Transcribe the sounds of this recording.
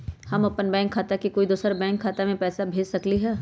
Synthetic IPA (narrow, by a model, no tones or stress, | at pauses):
hɐmɐpənbɛ̃ːŋkʰːaːt̪akikoːid̪oːsəɾbɛ̃ːŋkʰːaːt̪amẽpɛːsabʱeːd͡ʒsɐkliɦɛː